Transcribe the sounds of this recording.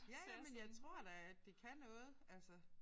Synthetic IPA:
jæmenjɑ̈ɪt͡sʰʁo̝ɐ̰d̥æd̥e̝kʰænɔ̽ːð̞̩ˠʔælsə

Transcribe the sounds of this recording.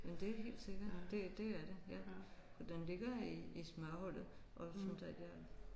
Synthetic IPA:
mend̥e̝he̝̰ːld̥se̝ɡ̥ɐd̥e̝d̥e̝æɐɾ̥e̝jæfʰd̥enle̝ɡ̥ɐiismæhɔl̰ð̩ˠʔɒ̽fnd̥ɑdjæ

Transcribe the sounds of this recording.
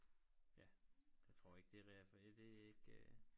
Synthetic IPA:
jæjɑ̈ɪt͡sʰʁo̝ɐ̰e̝ɡ̥d̥e̝ʁɛfæd̥e̝e̝ɡ̥ø

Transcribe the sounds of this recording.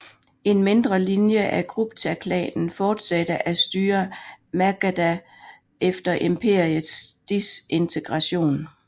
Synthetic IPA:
e̝nme̝nd̥ʁɐlinjəʔæɡ̥ʁub̥t͡sʰækʰlɛ̰ːnn̩fɒːd̥sæd̥əʔæsd̥yːɐmæɡ̥æd̥æ | efd̥ɐʔe̝mpʰe̝ɐ̰iəðˠsd̥ise̝nt͡sʰeɡ̥ʁɑ̈ɕo̝̰ːn

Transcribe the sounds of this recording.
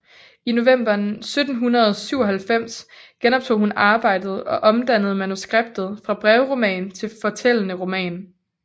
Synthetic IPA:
ino̝ʋem̰b̥ɐnsød̥n̩ɦunɐðˠsyʊ̰ɒ̽ɦælfem̰sɡ̥enɒ̽b̥̚t͡sʰo̝̰ːhunɑ̈ːb̥ɑ̈ɪ̰d̥ð̞̩ˠɒ̽ʔɒ̽md̥æn̰əð̞̩ˠmænusɡ̥ʁeb̥̚d̥ð̩ˠfʁɑ̈b̥ʁɛʊʁo̝mɛ̰ːnt͡sʰe̝lfɒ̽t͡sʰel̰ənəʁo̝mɛ̰ːn

